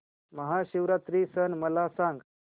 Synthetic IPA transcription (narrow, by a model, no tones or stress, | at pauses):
məɦaɕiʋɾat̪ɾisənməlasãŋɡ